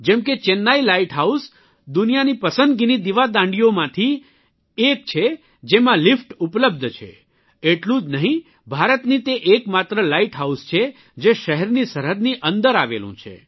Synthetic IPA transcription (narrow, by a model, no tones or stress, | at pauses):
d͡ʒɛmket͡ʃenːailaiʈɦaus | d̪unijanipəsə̃nd̪̚ɡinid̪iʋad̪ãɳɖijomãt̪ʰi | ek̚t͡ʃʰe | d͡ʒemãlifʈupləb̚d̪ʱt͡ʃʰḛ | eʈlũd͡ʒnəɦĩ | bʱaɾət̪nit̪eʔekmat̪ɾəlaiʈɦaust͡ʃʰe | d͡ʒeʃəɦɛɾnisəɾəɾniʔənd̪əɾaʋḛlṵ̃t͡ʃʰḛ